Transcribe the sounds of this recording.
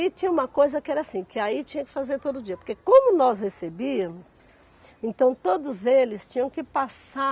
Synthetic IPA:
it͡ʃĩɲɐũmɐkojzɐkɪɛɾɐasĩkɪait͡ʃĩɲɐkɪ̥fazeɾt̪od̪ʊd͡ʒiɐpoɾkekõmʊnɔshesebiɐmʊs | ẽnt̪ɐ̃w̃t̪od̪ʊzelɪst͡ʃĩɲɐ̃w̃kɪpasa

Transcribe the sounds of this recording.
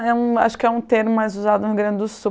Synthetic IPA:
ɛũa̰ʃʊ̥kɪɛũt̪eɾmʊmajzuzad̪ʊnʊɡɾɐ̃d̪ɪd̪ʊsu

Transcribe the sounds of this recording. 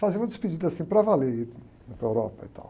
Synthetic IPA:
fazẽũɐd̪ɪspid͡ʒid̪asĩpɾɐvalei | upɾɐewɾɔpɐit̪a̰w

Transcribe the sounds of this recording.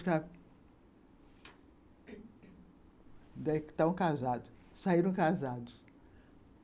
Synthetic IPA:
kɐ | d̪ɛkt̪ɐ̃kazad̪ʊ | saiɾɐ̃w̃kazad̪ʊ

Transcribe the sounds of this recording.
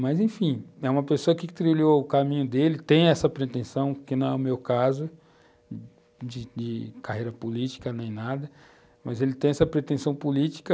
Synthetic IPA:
mɐzẽfĩɛũmɐpesoɐkɪkɪt̪ɾiloʊkamĩɲʊd̪elɪt̪ẽj̃ɛsɐpɾet̪ẽsɐ̃w̃kɪnɐ̃w̃ɛʊmewkazʊ | d͡ʒɪd͡ʒɪkahejɾɐpolit͡ʃi̥kɐnẽj̃nad̪ɐ | mɐzelɪt̪ẽj̃ɛsɐpɾet̪ẽsɐ̃w̃pulit͡ʃi̥kɐ

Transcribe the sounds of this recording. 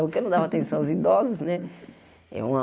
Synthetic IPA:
pʊɾkẽnɐ̃w̃d̪avat̪ẽsɐ̃w̃ʊzid̪ɔzʊsnɛ | ɛ̰ũɐ

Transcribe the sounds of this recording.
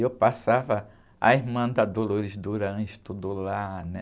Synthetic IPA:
ewpasavɐ | a̰iɦmɐ̃d̪ɐd̪oloɾizd̪uɾɐ̃ʃt̪ud̪ʊlanɛ

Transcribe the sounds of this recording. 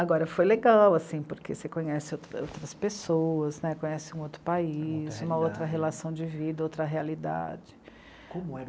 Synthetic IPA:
aɡɔɾɐfojleɡawasĩpoɾkʰesekõɲɛsɪowt̪ɾo̰wt̪ɾɐspesoɐznɛkõɲɛsɪũowt̪ɾʊpaiizũmɐowt̪ɾɐɦelasɐ̃w̃d͡ʒɪvid̪ɐowt̪ɾɐɦealid̪a̰d͡ʒɪ | kõmʊɛ

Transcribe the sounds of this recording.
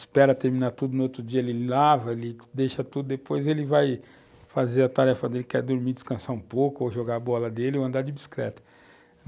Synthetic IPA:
spɛɾɐt̪eɾmĩnaɾt̪ud̪ʊnʊot̪ɾʊd͡ʒiɐelɪlavɐelɪd̪eʃɐt̪ud̪ʊd̪epojzelɪvaj | fazeɾɐt̪aɾɛfɐd̪elɪkɛɾd̪oɾmid͡ʒi̥skɐ̃saɾũpowkʊoʒoɡaɐbɔlɐd̪elɪowɐ̃nd̪aɾd͡ʒɪd͡ʒiskɾɛ̰t̪ɐ̥

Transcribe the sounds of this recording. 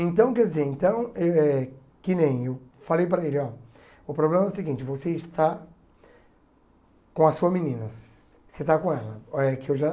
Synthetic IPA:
ẽnt̪ɐ̃w̃kɛɾd͡ʒɪzeɾẽnt̪ɐ̃w̃eɛ | kɪnẽj̃ewfalejpɾɐelɪɔ | ʊpɾoblẽmɐɛʊsɪɡĩnt͡ʃɪvoseɪst̪a | kõɐsuɐminĩnɐs | set̪akõɛlɐɛkɪewʒa

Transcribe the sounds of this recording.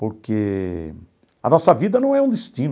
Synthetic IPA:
poɾke | ɐ̰nɔsɐvid̪ɐnɐ̃w̃ɛũd̪est̪ĩn

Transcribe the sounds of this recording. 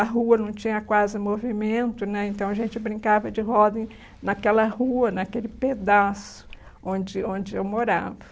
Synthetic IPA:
ɐɦuɐnɐ̃w̃t͡ʃĩɲɐkwazɪmovimẽnt̪ʊnɛẽnt̪ɐ̃w̃ɐʒẽnt͡ʃɪbɾĩŋkavɐd͡ʒɪɦɔd̪ẽj̃ | nɐkɛlɐhuɐnɐkelɪped̪asʊ̥ | õd͡ʒɪõd͡ʒɪewmoɾa̰vɐ

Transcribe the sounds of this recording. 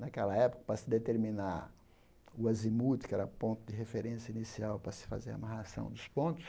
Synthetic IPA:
nakɛlɐɛpʊ̥kɐ̥pɾɐsɪd̪et̪eɾminaɾ | ʊazimud͡ʒ̪ɪkɪɛɾɐpõnt̪ʊd̪ɪɦefeɾẽsjɐinisiawpɾɐsɪ̥fa̰zeɾa̰mahasɐ̰̃w̃d̪ʊspõnt̪ʊ̥s

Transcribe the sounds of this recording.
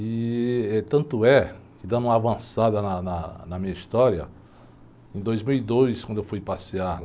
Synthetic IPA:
ɪɛt̪ɐ̃nt̪ʊɛkɪd̪ãũmɐavɐ̃sad̪ɐnɐnɐnɐmĩɲɐist̪ɔɾiɐ̰ | ẽj̃d̪ojzmiwid̪ojskwɐ̃d̪ʊewfujpasiaɾ

